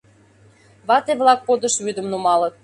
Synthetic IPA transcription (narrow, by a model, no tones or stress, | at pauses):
βɑt̪eβlɑk̚pod̪ə̆ʃβyd̪əmnumɑlət̪̚